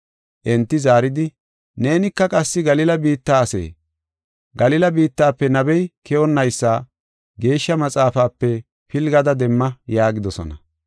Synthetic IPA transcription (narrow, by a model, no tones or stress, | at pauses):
ʔɛnt̪ːɪzaːɾɪd̪ɪ | ne̞ːnɪkːɐkʼɐsːɪɡɐlɪlɐbiːt̪ːaːɐsḛː | ɡɐlɪlɐbiːt̪ːaːpːɛnɐbɛjkɛɔnːɐjsːaː | ɡe̞ːʃːɐmɐt͡sʼaːfaːpːɛ | pɪlɡɐd̪ɐd̪ɛmːɐjaːɡɪd̪ɔsɔ̰nɐ